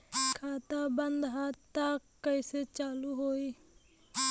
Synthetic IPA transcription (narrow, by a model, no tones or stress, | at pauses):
kʰaːt̪abənd̪ɦat̪akːəiset͡ʃaːluɦoi